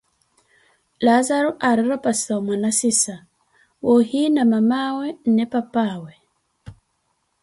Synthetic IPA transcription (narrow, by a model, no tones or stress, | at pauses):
lazaɾuʔaɾiɾɔpasamwanasisa | wɔhinamamawɛnɛpapawɛ